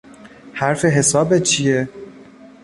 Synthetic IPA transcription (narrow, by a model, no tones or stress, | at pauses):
hæɾfe̞ɦe̞sɒːbet͡ʃʰije